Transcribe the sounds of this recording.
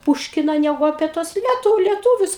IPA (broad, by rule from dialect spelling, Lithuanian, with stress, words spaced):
ˈpuːʃʲkʲɪnɐ ˈnʲæːɡʊ ɐpʲiɛ ˈtuɔs ˈlʲiɛtʊ lʲiɛˈtuːʋʲʊs